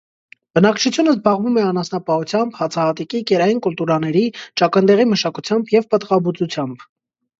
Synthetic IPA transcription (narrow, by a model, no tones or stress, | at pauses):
b̥ənɑkt͡ʃʰut͡sʰjunəzbɑʁvumɛɑnɑsnɑpɑhut͡sʰjɑmbhɑt͡sʰɑhɑt̪ikikɛɾɑjinkult̪uɾɑnɛɾit͡ʃɑkənd̪ɛʁiməʃɑkut͡sʰjɑmbjɛvpət̪ʁɑbut͡sut͡sʰjɑmb